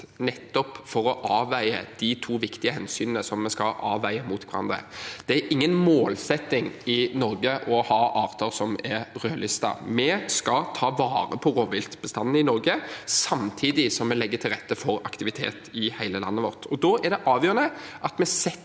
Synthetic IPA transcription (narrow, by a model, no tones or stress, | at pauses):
nɛt̪ːɔpfɔɾɔʔɑːʋæɪə̰d̪̥ɪt̪ʰuːʋɪkt̪ɪəhɛnsyːnənəsɔmːɛskɑlʔɑːʋæɪəmut̪ʋʰɛɾɑ̰nd̪ʁəə̰d̪̥ɛæɾʔɪŋːənmoːlsɛt̪ːɪŋɪnɔɾɡəʔɔhɑːʔɑːʋt̪ʰɑʁsɔmɛɾɾøːlʏst̪ɑ̰mɛskɑt̪ʰɑːʋɑːɾəpʰɔɾoːʋɪlt̪b̥əst̪ɑnːəɪnɔɾɡəsɑmt̪ʰiːd̪ɪsɔmːɛlɛɡːət̪ʰɪlʁɛt̪ːəfɔɾɑ̰kt̪ɪʋɪt̪ʰḛːt̪ɪhæɪləlɑ̰nːəʋɔ̰ʁt̪ʰɔd̪ɔːʔæʁɖ̪ɛʔɑːʋjøːɾənəʔɑt̪mɛsɛ